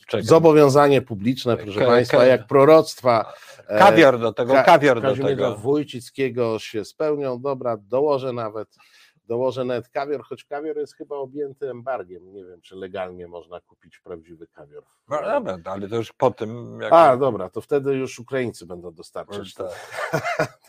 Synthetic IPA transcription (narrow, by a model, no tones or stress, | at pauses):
ɛzɔbɔvʲjɔ̃w̃zaɲɛpublʲit͡ʂnɛppɾɔʂɛpajst̪fajak̚pɾɔɾɔt̪st̪fa | avʲjɔɾd̪ɔt̪ɛɡɔkavʲjɔɾkaʒimɛɛdavujt͡ɕit̪skʲɛɡɔɕɛspɛwɲɔ̃wd̪ɔbɾad̪ɔwɔʐɛnavɛt̪ | d̪ɔwɔʐɛnavɛt̪kavʲjɔɾxɔt͡ɕkavʲjɔɾjɛst̪xɘbaɔbʲjɛnt̪ɘɛmbaɾɡʲjɛmɲɛvʲjɛmt͡ʂɨlɛɡalɲɛmɔʐnakupʲit͡ɕpɾavd͡ʑivɘkavʲjɔɾ | nd̪ɔbɛd̪alɛt̪ɔjuʂpɔt̪ɘmjaad̪ɔbɾat̪ɔft̪ɛd̪ɘjuʂukɾajint̪sɘbɛnd̪ɔ̃w̃d̪ɔst̪aɾat͡ɕ